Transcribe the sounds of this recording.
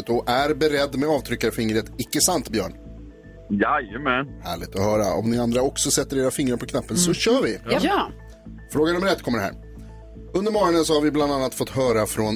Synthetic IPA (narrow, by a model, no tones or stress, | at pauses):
t̪ɔʔæɾbɛɾɛd̪ːmɛɑːvt̪ʰɾʏkːaɾfɪŋɾət̪ɪkːəsant̪bjœ̰ːɳ | jajəmɛnhæ̰ːɭɪɡ̚t̪ɔhœːɾa̰ɔ̰mnɪand̪ɾaɔksɔsɛt̪ːəɾeːɾafɪŋːɾapʰɔkʰnapːənsɔɕœːɾvɪ | fɾoːɡanɵmːəɾɛt̪ːkʰɔmːəɖɛɦæ̰ːɾ | ɵnd̪əɾmɔːɾɔɳənsɔhaɾvɪbland̪anːat̪fɔt̪ːɦœːɾafɾɔn